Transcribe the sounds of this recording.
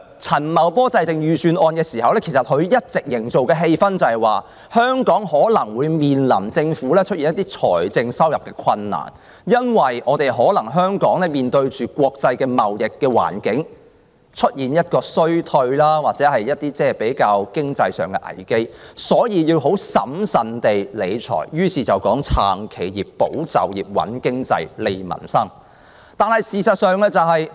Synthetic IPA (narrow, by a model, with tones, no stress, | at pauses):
t͡sʰɐ˨˩nmɐ˨wpɔː˥t͡sɐ˧jt͡sɪ˨ŋjyː˨syː˨nʔɔː˧nkɛː˧siː˨˩hɐ˨wlɛː˥kʰsɐ˨t̚hɵ˨˧ɥjɐ˥t̚t͡sɪ˨k̚jɪ˨˩ŋt͡so˨wkɛː˧ɦe˧jfɐ˥nt͡sɐ˨˧hɐ˨˩jwaː˨ | hœː˥ŋkɔː˨˥ŋhɔː˨˥lɐ˨˩ŋwuː˨˧jmiː˨nlɐ˨˩mt͡sɪ˧ŋfuː˨˥lɛː˥t͡ʃʰɵ˥t̚ji˨njɐ˥t̪iː˥t͡ʃʰɔ̰ː˨˩jt͡sɪ˧ŋsɐ˥wjɐ˨p̚kɛː˧kʷʰwɐ˧nːa̰ː˨˩n | jɐ˥nwɐ˨˩jɔː˨˧t̪e˨jɦɔː˨˥lɐ˨˩ŋɦœː˥ŋkɔː˨˥ŋlɛː˥miː˨nt̪ɵ˧ɥt͡ʃyː˨kʷwɔː˧k̚t͡sɐ˧jkɛː˧mɐ˨˩wjɪ˨kːɛː˧wa̰ː˨˩nkɪ˨˥ŋ | t͡ʃʰɵ˥t̚jiː˨˩njɐ˥t̚kɔː˧sɵ˥ɥt̪ʰɵ˧ɥlaː˥waː˨t̚t͡sɛː˨˥hɐ˨jjɐ˥t̚t̪iː˥t͡sɛː˥˨˩pe˨˥jkaː˧wkɪ˥ŋt͡sɐ˧jsœ̰ː˨˩ŋkɛ˧ʔɐ̰˨˩jke˥jsɔː˨˥jiː˨˧jiː˧wɦo˨˥wsɐ̰˨˥msɐ˨nt̪e˨jle˨˧jt͡sʰɔ̰ː˨˩jjyː˥siː˨t͡sɐ˨wkɔː˨˥ŋt͡sʰa̰ː˨˩ŋkʰe˨˩jjiː˨pːo˨˥wt͡sɐ̰˨wjiː˨p̚wɐ̰˨˥nkɪ˥ŋt͡sɐ̰˧jle˨˧jmɐ̰˨˩nsɐ˥ŋ | t̪aː˨˩nhɐ˨˩jsiː˨sɐ˨t̚sœː˨˧ŋlɛ˧t͡sɐ˨wɦɐ˨j